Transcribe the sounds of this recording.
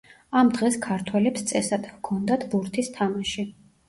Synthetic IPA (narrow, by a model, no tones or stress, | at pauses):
amd̪ʁɛskʰaɾt̪ʰwɛlɛpst̪sʼɛsad̪kʰɔnd̪at̪ʰbuɾt̪ʰist̪ʰamaʃi